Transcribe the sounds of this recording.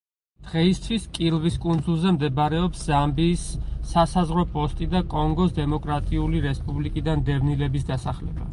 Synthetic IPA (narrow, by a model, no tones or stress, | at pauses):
d̪̥ʁɛist̪ʰwiskʼilˠviskʼund̪zulˠzɛmd̪ɛbaɾɛɔpszambiːsːasazʁɾɔpʼɔst̪ʼid̪akʼɔŋɡɔsd̪ɛmɔkʼɾat̪ʼiuliɾɛspʼublikʼid̪and̪ɛvnilɛbisd̪asaχlɛ̰ba̰